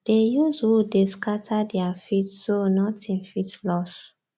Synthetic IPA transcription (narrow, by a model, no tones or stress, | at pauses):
d̥ejuzwudeskatʰadɛafitsonɔtʰĩnfitlɔs